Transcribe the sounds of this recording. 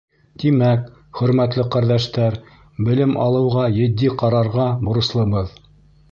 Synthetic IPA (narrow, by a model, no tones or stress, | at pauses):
t̪imæk | χɵ̆ɾmæt̪lɘqæɾðæʃt̪æɾ | bɘ̆lɘmʔɑ̰lˠɤ̆wʁɑjɘ̆d̪ːiqɑɾɑɾʁɑbŏɾɤ̆slˠɤ̆bɤð